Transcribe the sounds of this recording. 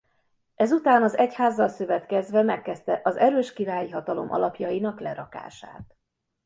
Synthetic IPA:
ɛzut̪aːnɒzɛchaːzːɒlsøvɛt̪kɛzvɛmɛkːɛst̪ɛʔɒzɛɾøːʃkiɾaːjiɦɒt̪ɒlo̞̰mʔɒ̰lɒpjɒjinɒklɛɾɒka̰ːʃa̰ːt̪

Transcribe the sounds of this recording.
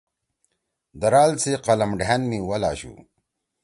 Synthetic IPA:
d̪ɐɾaːlt͡seqɐlɐmɖʱanmiwɐla̰ːɕṵ

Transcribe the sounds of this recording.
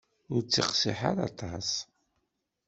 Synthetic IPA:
ʊɾt͡sːiqsiħaɾɑt̪ˤɑs

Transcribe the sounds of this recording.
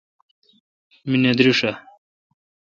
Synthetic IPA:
mined̪ɾuʂa

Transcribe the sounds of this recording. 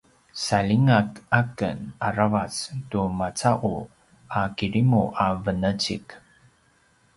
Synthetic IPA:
saliŋakakə̰naɾavat͡stumat͡saʔu | akiɾimuʔavənət͡ɕḭk

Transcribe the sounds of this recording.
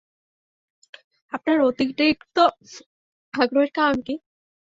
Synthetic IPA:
ap̚naɾot̪ikʈekt̪o | kaɡɾoeɾkamki

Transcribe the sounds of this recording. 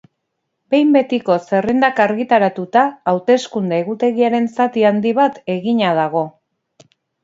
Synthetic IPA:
be̞jmbe̞t̪iko̞se̞rend̪akaɾɣit̪aɾat̪ut̪aːwt̪e̞skund̪eeɣut̪e̞ɣiaɾe̞nsat̪iand̪iβ̞at̪e̞ɣiɲað̞aɣ̞o̞

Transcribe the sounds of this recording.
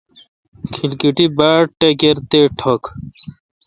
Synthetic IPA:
kʰilkiʈibaʈːekeɾt̪eʈʰɔk

